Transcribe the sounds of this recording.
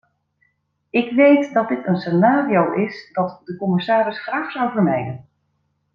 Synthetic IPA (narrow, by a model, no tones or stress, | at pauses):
ɪkʋejtdɑt̚dɪtənsenaːriowʔɪsd̥ɑtdəkɔmɪsaːɾɪsχraːχsʌwvəɹnɛjdən